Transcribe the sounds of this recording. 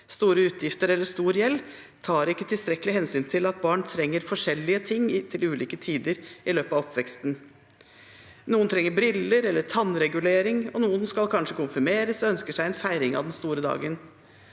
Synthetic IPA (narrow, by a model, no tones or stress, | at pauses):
st̪uːɾəʉːt̪ʰjɪft̪əɾɛlːəʂt̪uːɾjɛlː | t̪ʰɑːɾɪkːət̪ʰɪlst̪ɾɛkːəlɪhɛnsyːnt̪ʰɪlɑt̪̚bɑːɳt̪ʰɾɛŋːəɾfɔʂɛlːɪət̪ʰɪŋːt̪ʰɪlʉːliːkət̪ʰiːd̪əɾɪløːpɑʋɔpʋɛkst̪n | nuːənt̪ʰɾɛŋːəbɾɪlːəɾɛlːəʈʰɑnɾɛɡʉleːɾɪŋɔnuːənskɑlkʰɑnʂəkʊnfʏmeːɾəsɔœnskəʂæɪɛnfæɪɾɪŋɑ̰ʋd̪ɛnst̪uːɾəd̪ɑ̰ːɡən